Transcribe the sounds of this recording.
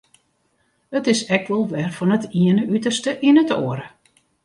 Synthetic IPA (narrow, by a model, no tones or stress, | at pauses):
ətɪsɛk̚ʋɔlˠʋɛrfɔnətʰiənəʔytərstəʔinətoəɾə